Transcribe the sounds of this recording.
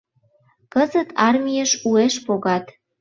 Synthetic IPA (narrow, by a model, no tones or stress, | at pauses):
kəzət̪ɑrmʲijəʃueʃpoɣɑt̪